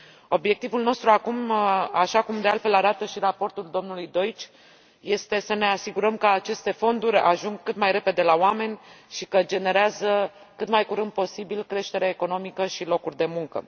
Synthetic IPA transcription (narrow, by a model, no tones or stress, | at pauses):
o̞bje̞k̚t̪ivulno̞st̪ɾuakumaʃakumd̪ealt̪fe̞laɾat̪əʃiɾapo̞rt̪uld̪o̞mnulujd̪o̞jt͡ʃʲ | je̞st̪e̞səne̞asiɡuɾəmkəat͡ʃe̞st̪e̞fo̞nd̪uɾʲa̰ʒuŋɡkːɨt̪majɾe̞pe̞d̪e̞laoame̞nʲʃikəd͡ʒe̞ne̞ɾeazə | kɨt̪majkuɾɨnd̪̚po̞sibilkɾe̞ʃt̪e̞ɾeaeko̞no̞mikəʃilo̞kurʲd̪e̞muŋkə̰